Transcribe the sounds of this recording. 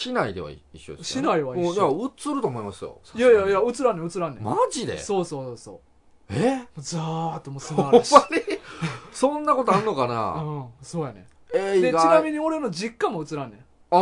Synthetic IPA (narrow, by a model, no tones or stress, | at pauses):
ɕinaid̪e̞βa̰ḭiɕːod̪eɕsinaiβaĩjaɯ̟t͡sɨɾɯ̟t̪oːmo̞imasɨjo̰jajajaɯ̟t͡sɨɾãnẽɯ̟t͡sɨɾãnːemaʑid̪ḛso̞ːsoːsoːso̰ː | emoːzat̪ːomosaoɾɕmːaɲʲi | sõnːako̞t̪oaɾɯnokana̰ɯ̃so̞ːjanḛ | ed̪eat͡ɕinamʲiɲ̟io̞ɾe̞nod͡ʑikːamoɯ̟t͡sɨɾãnːẽ | a